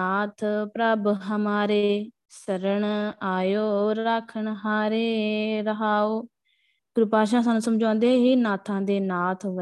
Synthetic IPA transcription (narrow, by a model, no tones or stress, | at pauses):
aːt̪ʰpɾaːbɦəmaːɾeː | səɾəɳaːjoːakʰːəɳɦaːɾeːɾəɦaːoː | ɡɾʊpaːʃ̬ãːsaːnũːsəmd͡ʒãːnd̪eːɦiːnaːt̪ʰãːd̪eːnaːt̪ʰɦ